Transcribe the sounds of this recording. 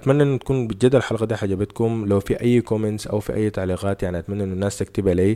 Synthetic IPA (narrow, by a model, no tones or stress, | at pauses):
ʔat̪manːaʔɪnːut̪ḁkuːnbɪd͡ʒad̪ːalħalɣad̪iːħad͡ʒabat̪kʊmlawfiʔajːkomɪnt̪sʔa̰wfḭʔa̰jːt̪aʕliːɣaːt̪jaʕniʔat̪manːaʔɪnːɪnːaːst̪ak̚t̪abaleː